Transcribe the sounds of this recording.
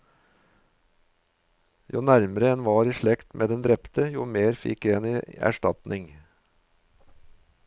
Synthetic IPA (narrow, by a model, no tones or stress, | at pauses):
juːnæɾməɾəɛnʋɑːɾiːʃɭɛkt̪mʔeːd̪ɛnd̪ɾɛpt̪əjuːmeːɾfɪ̰kːeːniːæ̰ʃʈɑt̪nʔɪŋ